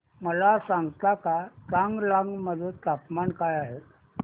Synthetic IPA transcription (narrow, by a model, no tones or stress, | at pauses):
məlasãŋɡt̪akataŋɡlaŋɡməd̪ʱət̪apmankajaɦet